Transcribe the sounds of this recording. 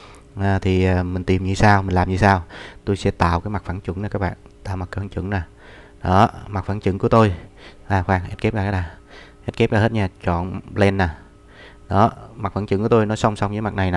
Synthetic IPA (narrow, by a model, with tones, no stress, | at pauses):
ʔaː˨˩t̪ʰi˨˩aː˨˩mï˨˩ŋ̟t̪i˨˩mɲɨ˧saː˧wmi˨˩ŋ̟laː˨˩mɲɨ̰˧˦saː˧wt̪o˧jsɛ̰˧˥˦t̪a̰ː˧˨wkaː˨˦jma˨˩k̚faː˧˩˦ŋt͡ɕwɨ̰˧˥˦ŋnaː˨˩kaː˦˥k̚ɓa̰ː˧˨nt̪a̰ː˧˨wma˨˩t̚faː˧˦t͡ɕɨ̰˧˥˦ŋnaː˨˩ | ɗɔ˨˦ma˨˩t̚faː˧˥˦nt͡ɕɨ̰˧˥˦ŋku˧˩ət̪o˧jʔaː˨˩xwaː˧˩ŋʔe˦˥ke˦˥p̚zaː˧kːaː˦˥ɗaː˨˩ʔɛ˦˥t̚ke˦˥p̚zaː˧˩e˦˥t̚ɲaː˧˩t͡ɕɔ̰˧˨nɓlɛ˧nːaː˨˩ | ɗɔ˨˦ma˨˩k̚faː˧˥˦t͡ɕɨ̰˧˥ŋku˧˦ə˦t̪o˧jnɔ˨˦jsə˧wŋ͡msa˧wŋ͡mɲɨ˧˥˦ma˨˩k̚na˨˩jna˨˩